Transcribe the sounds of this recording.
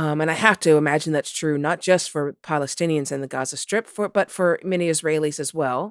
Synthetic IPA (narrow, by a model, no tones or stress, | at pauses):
ʌmɨ̃ñaɪhæftɨəmæd͡ʒɨn̩ðɨtstʰɹ̥ʉnət̚d̥ʒ̥ʌstfə˞pʰɑlˠəstɪ̃niɨ̃nzɨ̃nðɨɡɑzɨstʰɹ̥ɪpfə˞b̥ʌtfə˞mɛniɨzɹeɪlˠizɨzwɛlˠ